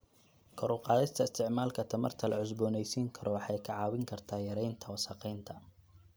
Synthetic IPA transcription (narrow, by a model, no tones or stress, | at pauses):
kʰɔɾʊlqɑːðɪst̪ʰɐɪst̪ʰɪʕmaːlkʰɐt̪ʰɐmɐ̰rt̪ʰɐlɐʕʊs̬bɔːnɛjsiːŋkʰɐɾʔɔwɑħɑjkʰɐʕɑːwɪŋkʰɐrt̪ʰaːjɐɾɛjnt̪ʰɐwɑsɑqɛjnt̪ʰɐ